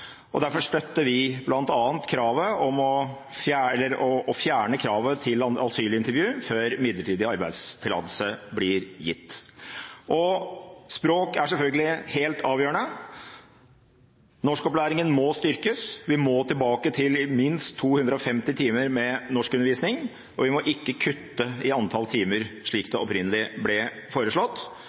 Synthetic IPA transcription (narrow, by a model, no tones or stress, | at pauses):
ʔɔd̪æɾfɔʂʈ̪œt̪ːəʋɪblɑnt̪ɑːənt̪kʰɾɑːʋəɔmɔ | fjæɛlːəɾɔːfjæːɳəkʰɾɑːʋət̪ʰɪlɑɑ̰lsyːɭɪnt̪əɾʋjʉːføːɾmɪd̪ləʈʰiːd̪ɪɑɾbæɪd̪st̪ʰɪlɑ̰d̪əl̩səblɪɾjɪ̰t̪ː | ʔɔspɾoːkæʂɛlfœlɡəlɪheːlt̪ʰɑːʋjøːɾəɳə | nɔʂkɔplæːɾɪŋənmɔst̪ʏɾkəsʋɪmɔːt̪ʰɪlbɑːkət̪ʰɪlɪmɪnst̪ʰːuːhʉnd̪ɾəɔfɛmt̪ɪt̪ʰiːməɾmɛnɔʂkʉnəɾʋiːsnɪŋ | ɔʋɪmɔʔɪkːəkʰʉt̪ːəɪɑnt̪ʰɑlt̪ʰiːməɾʂɭiːkd̪ɛɔpɾɪnəlɪblɛfoːɾəʂɭɔt̪ː